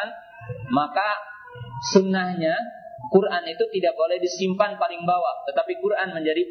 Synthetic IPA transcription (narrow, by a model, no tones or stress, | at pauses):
n | maka | sunahɲa | kurʔanit̪ut̪idaʔk̚bolɛhdisimpanpalɪŋbawat̪ət̪apikurʔanməɲd͡ʒadi